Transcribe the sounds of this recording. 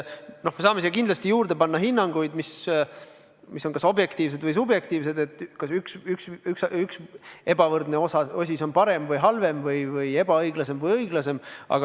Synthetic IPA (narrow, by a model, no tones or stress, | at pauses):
no̞hme̞sɑːme̞sijːkind̪lɑst̪ijuːɾd̪̥e̞pɑnːɑɦinːɑŋɡ̥ujd̪̥mis | misːo̞nkɑso̞bje̞kt̪iːvs̬e̞d̪vɯjs̬ubje̞k̚t̪iːvs̬e̞d̪e̞t̪ːˑkɑsyksyksyksykse̞bɑvɤrd̪ne̞o̞sɑo̞s̬ʲisonpɑɾe̞mvɤjɦɑlve̞mvɤjvɯje̞bɑɤjɡ̥lɑse̞mvɤjɤjɡ̥lɑse̞mɑ̰ɡ̥ɑ